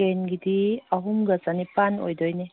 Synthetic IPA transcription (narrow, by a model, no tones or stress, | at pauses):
enɡit̪iaɦumɡət͡sanipano̰jd̪ɔjne